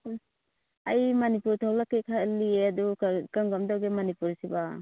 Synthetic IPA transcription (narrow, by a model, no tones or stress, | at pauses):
ajmanipuɾtʰawlakekʰaliad̪ɔkaŋɡamdawɡemanipuɾsiba